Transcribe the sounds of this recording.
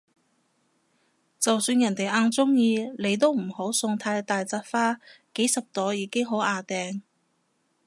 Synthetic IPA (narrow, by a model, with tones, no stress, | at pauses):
t͡sɐ˨wsyː˧njɐ˨˩nt̪e˨jʔaː˧nt͡sʊ˥ŋjiː˧le˨˧jt̪̬o˥wm̩˨˩ho˨˥wsʊ˧ŋt̪ʰaː˧jt̪aː˨jt͡saː˧˥t̚faː˥ke˨˥jsɐ˨p̚t̪ɔː˨˥jjiː˨˧kɪ˥ŋɦo˨˥wʔaː˧˩t̪ɛː˨˧ŋ